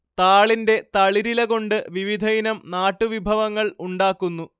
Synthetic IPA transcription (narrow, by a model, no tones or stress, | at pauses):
t̪aːɭinde̞t̪ɐɭiɾilɐko̞ɳɖɨʋiʋid̪ʱɐjinɐmnaːʈːuʋibʱɐʋɐŋːɐɭuɳɖaːkːunːu